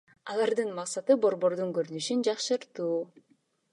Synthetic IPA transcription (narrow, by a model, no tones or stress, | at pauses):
ɑlˠɑɾd̪ɯnmɑqsɑt̪ɯbo̞ɾbo̞ɾd̪uŋkøɾynyʃynd͡ʒɑqʃɯɾt̪uː